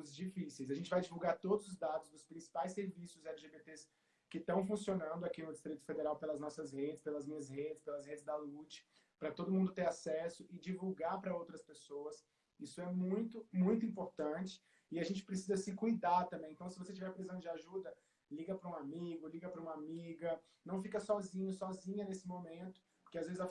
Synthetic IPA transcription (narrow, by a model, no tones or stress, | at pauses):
zd͡ʒifisejz̬aʒẽnt͡ʃɪvajd͡ʒivuwɡaɾt̪od̪ʊzʊzd̪ad̪ʊzd̪ʊspɾĩsi̥pajseɾvisʊzɛliʒebet̪es | kɪt̪ɐ̃w̃fũsionɐ̃nd̪ʊakinʊd͡ʒɪst̪ɾit̪ʊ̥fed̪eɾawpelɐznɔsɐzhed͡ʒɪspelɐzmĩɲɐzhed͡ʒɪspelɐzhed͡ʒɪzd̪ɐlut͡ʃɪ̥ | pɾɐt̪od̪ʊmũnd̪ʊt̪eɾasɛsʊʔɪd͡ʒivuwɡaɾpɾɐowt̪ɾɐspesowɐs | isʊɛmũj̃t̪ʊmũj̃t̪ʊĩmpoɾt̪ɐ̃t͡ʃɪ̥ | ɪaʒẽnt͡ʃɪ̥pɾesizɐsɪkujd̪aɾt̪ɐ̃mbẽẽt̪ɐ̃w̃sɪvoset͡ʃivɛɾpɾezɐ̃w̃d͡ʒɪaʒud̪ɐ | liɡɐpɾɐũamiɡʊliɡɐpɾɐũamiɡɐ | nɐ̃w̃fikɐsɔzĩɲʊsɔzĩɲɐnesɪmomẽnt̪ʊ̥ | pʊɾkeazvezɪza